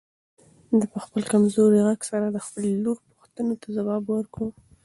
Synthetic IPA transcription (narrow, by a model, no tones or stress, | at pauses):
d̪əpəxpəlkamzoɾiɣaɡsaɾad̪əxpəlluɾpuxt̪ənot̪azawɑbwəɾkɽu